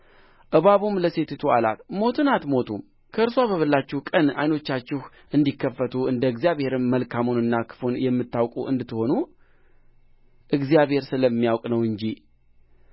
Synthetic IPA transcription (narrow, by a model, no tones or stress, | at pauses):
ʔɨβaβumləse̞t̪ʰet̪ʰuala̰t̪mo̞t̪ʰɨnat̪mo̞t̪ʰum | kʰəɨɾsʷwaβəβɨlːat͡ʃːɪhkʼəna̰jno̞t͡ʃːat͡ʃːɪh | ʔɨnd̪ikʰːəfːət̪ʰuɨnd̪əɨɡzijaβhe̞ɾɨmːəlkʰamunɨnːakʰɨ̥funjɛmːɨt̪ːawkʼuʔɨ̰nd̪ɨt̪ːɨho̞nu | ʔɨɡzjaβhe̞ɾsɨləmːijawkʼnəwɨɲd͡ʒi